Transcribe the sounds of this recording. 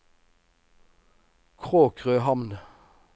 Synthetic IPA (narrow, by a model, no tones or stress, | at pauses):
kʰʁoːkʰʁøːhɑmn